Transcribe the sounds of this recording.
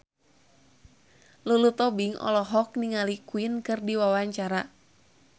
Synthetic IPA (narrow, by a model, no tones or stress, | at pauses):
lulut̪ɔbiŋɔ̰lɔɦɔk̚niŋalikuinkɨrdiwawaɲt͡ʃaɾa